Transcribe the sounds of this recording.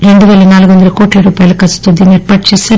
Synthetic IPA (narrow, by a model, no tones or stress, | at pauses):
ɾeɳɖuʋeːlɐnaːlkʋɐnd̪ɐɾuko̞ːʈiɾuːpaːjɐlɐkɐst̪ud̪ineːɾpɐʈ̚t͡ʃisɐ